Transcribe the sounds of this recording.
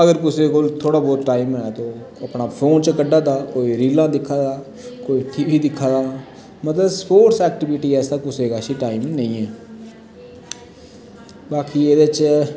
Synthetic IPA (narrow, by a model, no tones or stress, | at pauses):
əɡəɾkʊseːkolt̪ʰːoːɽaːbɔːt̪ʈaːimɛːt̪õː | əpnaːpʰoːnt͡ʃəkəɖːaːd̪aːkoːiːɾiːlãːd̪ɪkʰːaːd̪aː | koːiːʈiːʋiːd̪ɪkʰːaːd̪aː | mət̪ləbspoːʈsɛːk̚ʈɪʋɪʈiːɛːsd̪aːkʊseːɡaːʃiːʈaːɪmnəĩːɛː | baːkiːeːd̪eːt͡ʃ